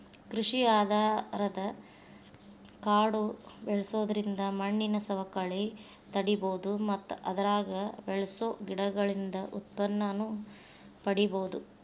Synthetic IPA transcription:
kɾuʂiaːd̪ʱaːɾɐd̪ɐ | kaːɽubɛɭɐsoːd̪ɐɾind̪ɐmɐɳːinɐsɐʋɐkɐɭe | t̪ɐɽiboːd̪umɐt̪ːuʔɐd̪ɐɾaːɡɐbɛɭɐsoɡiɽɐɡɐɭind̪ɐʔut̪̚pɐnːɐnu | pɐɽiboːud̪u

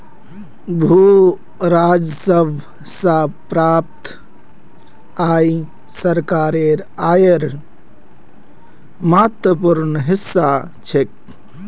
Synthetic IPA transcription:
bʱu | ɾad͡ʒsəbʱ | sapɾap̚t̪ | aj | səɾkaɾeɾajəɾ | mat̪ʋəpuɾnɦisːa | t͡ʃʰek̚

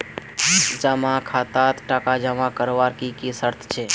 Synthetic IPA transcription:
d͡ʒəmakʰat̪at̪ʈakad͡ʒəmakəɾʋaɾkikisəɾt̪ʰt͡ʃʰɛ

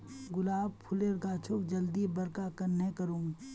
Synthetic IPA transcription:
ɡʊlaːb̚pʰʊleɾɡaːt͡ʃʰokd͡ʒɐld̪ibɐɾkakɐɾnekəɾũː

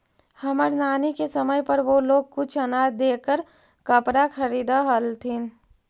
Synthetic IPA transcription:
hɐməɾnaːnikesəməjpɐɾʋoloːɡ̚kʊt͡ʃʰɐnaːd̪eːkəɾ | kəpɾakʰɐɾiːd̪aɦəlt̪ʰin

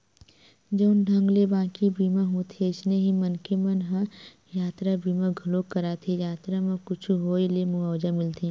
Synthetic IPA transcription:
d͡ʒoːnɖʱɐ̃ŋɡlebãːkibiːmãɦot̪ʰieɪsneɦimɐnkemɐnɦã | jaːt̪ɾabiːmãɡʱʊlokːɐɾaːt̪ʰijaːt̪ɾamãkʊt͡ʃʰuɦoːilemʊaːwd͡ʒamɪlt̪ʰĩː

